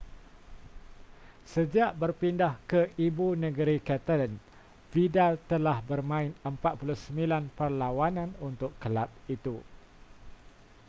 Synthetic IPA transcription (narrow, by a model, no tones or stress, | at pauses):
səd͡ʒaʔbərpindahkəibunə̃ɡəɾikɛt̪alən | fidalt̪əlahbərmãɪnəmpat̪̚puluhsəmbilanpərlawanãnunt̪ʊkːəlat̚it̪u